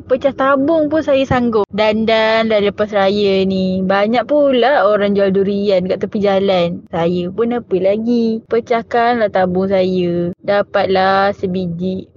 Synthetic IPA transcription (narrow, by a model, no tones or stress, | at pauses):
pət͡ʃaht̪abʊŋpʊnsajəsaŋɡʊpdandanlaləpasrajənibaɲak̚pulahoɾaŋd͡ʒualduɾiankaʔt̪əpid͡ʒalansajəpunapəlaɡipət͡ʃakanlaht̪abʊŋs̬ajədapat̪̚lasəbid͡ʒiʔ